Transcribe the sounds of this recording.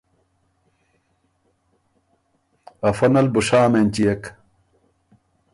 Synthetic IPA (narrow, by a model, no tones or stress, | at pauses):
ɐfɐnɐlbuʂaːmenʲt͡ɕijɐk